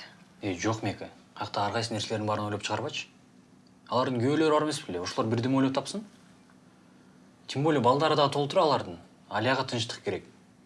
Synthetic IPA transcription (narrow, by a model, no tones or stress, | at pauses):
ed͡ʒo̞qmekɪ | ɑqt̪ɑːɾʁɑjsɯne̞ɾseled̪ɪnbɑɾɯnojlopt͡ʃʰəʁɑɾβɑjt͡ʃʰ | ɑlˠɑɾd̪ɨŋɡʲyølø̞ɾɪbɑɾemesbleoʃolˠoɾbiɾd̪emo̞jlot̪ʰɑpsɯn | t̪ʲʰimbo̞lʲɪjbɑlˠd̪ɑɾɯd̪ɑʁət̪ʰo̞lˠt̪uɾɑɑlˠɑɾd̪ɯn | ɑlʲjɑʁɑt̪ʰɯnʃ̬t̪ə̥qkʰe̞ɾe̞k